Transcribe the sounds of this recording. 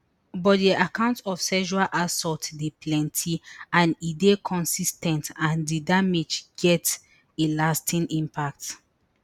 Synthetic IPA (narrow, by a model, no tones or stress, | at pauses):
bɔtdiʔakãʊ̃ntɔfsɛʃualʔasɔtdeplɛ̃ntʰiãnidekʰɔ̃nsistɛ̃ntãndidamed͡ʒɡ̥ɛt | elastʰĩnʔĩmpʰak̚t